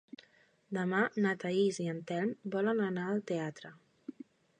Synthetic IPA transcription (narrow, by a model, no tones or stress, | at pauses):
d̪əmanat̪aiziənt̪ɛlmbɔlənənaəlˠt̪eat̪ɾə